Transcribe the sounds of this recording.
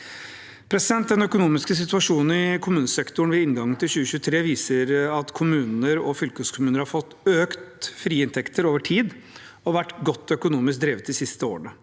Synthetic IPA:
pʰɾɛsɪd̪ɛnt̪̚d̪ɛnœkʊnuːmɪskəs̬ɪt̪ʉɑʂuːnn̩ɪkʰʊmʉːnəsɛkt̪ʊɳ̩ʋɛɪŋɡɑŋːənt̪ʰɪlɕʉːəçʉːt̪ʰɾeːʋiːsəɾɑt̪kʰʊmʉːnəɾɔfʏlkəskʰʊmʉːnəɾhɑɾfɔt̪ːøːkt̪fɾiːɪnt̪ʰɛkt̪ʰəɾoːʋəʈʰiːd̪ | ɔʋæʈɡɔt̪ːœkʊnuːmɪsk̚d̪ɾeːʋət̪d̪ɪsɪst̪əo̰ːəɳə

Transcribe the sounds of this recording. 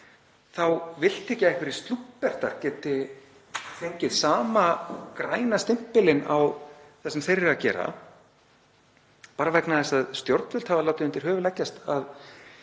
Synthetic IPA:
θawvɪl̥t̪ʰɛcːɪɛhkvɪɾɪ̥st̪lupːɛr̥t̪a̰ɾ̥cɛːt̪ɪ | θejɲcɪðsaːmakɾaːjnast̪ɪm̥pɪlɪnawθɛsːɛmθejɾɪɾacɛ̰ːɾa̰ | paːɾavɛknaðɛst̪aðst̪jowɾt̪vʏl̥t̪havalawt̪ɪðʏnt̪ɪɾ̥ɦœːvʏlɛcːast̪að

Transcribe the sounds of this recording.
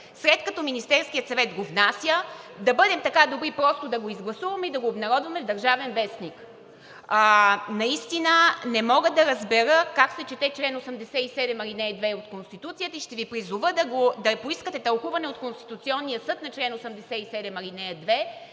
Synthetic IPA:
sɾɛt̪kɐt̪ɔminist̪ɛɾskʲijət̪sɐvɛt̪ɡovnasjəd̪ɐbɤd̪ɛmt̪ɐkad̪obɾipɾɔst̪od̪ɐɡoizɡlˠɐsuvɐmɛid̪ɐɡoːbnɐɾɔd̪vɐmɛvd̪ɐɾʒavɛnvɛsnikː | nɐist̪inənɛmɔɡəd̪ɐɾɐzbɛɾəkaksɛt͡ʃɛt̪ɛt͡ʃlɛnosəmd̪ɛsɛisɛd̪ɛmɐɾinɛd̪vɛot̪konst̪it̪ut̪sijət̪əiʃt̪ɛvipɾizuvəd̪ɐɡod̪ɐpoiskət̪ɛt̪ɐlˠxuvɐnɛot̪̚konst̪i̥t̪ut̪siɔnːijəsɤt̪nɐt͡ʃlɛnosəmd̪ɛsɛisɛd̪ɛmɐɾinɛɐd̪vɛ

